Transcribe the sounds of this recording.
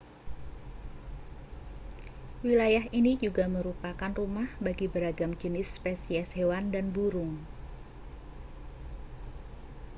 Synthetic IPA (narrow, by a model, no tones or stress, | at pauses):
wilajaɦinid͡ʒuɡaməɾupakanrumahbaɡibəɾaɡamd͡ʒənɪspesiɛshewandanbuɾʊŋ